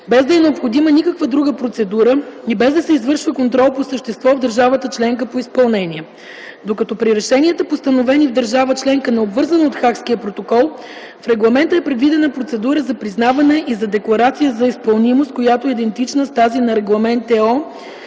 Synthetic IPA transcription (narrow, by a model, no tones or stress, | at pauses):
bɛzd̪ɐɛnɛopxod̪imənikəkvəd̪ɾuɡəpɾot̪sɛd̪uɾəibɛzd̪ɐsɛizvɤɾʃvəkont̪ɾɔlˠposəʃt̪ɛst̪vɔvd̪əɾʒavət̪ət͡ʃlɛŋkəpoispɐlˠnɛniɛ | d̪okɐt̪ɔpɾiɾɛʃɛniət̪əpost̪ɐnovɛnivd̪əɾʒavət͡ʃlɛŋkənɛobvɤɾzɐnot̪xakskiəpɾot̪okɔlˠ | fɾɛɡlˠɐmɛnt̪əɛpɾɛd̪vid̪ɛnəpɾot̪sɛd̪uɾəzɐpɾiznavɐnɛʔizɐd̪ɛklˠɐɾat̪sijəzɐispɐlˠnimost̪̚kojat̪oɛid̪ɛnt̪it͡ʃnəst̪azinɐɾɛɡlˠɐmɛnt̪ɛɔ